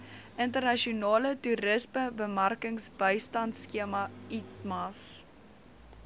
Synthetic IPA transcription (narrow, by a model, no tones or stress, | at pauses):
əntərnɐʃiunɑːlətuɾəsməbəmɐrkəŋsbəjstɐntskiəmɐitmɐs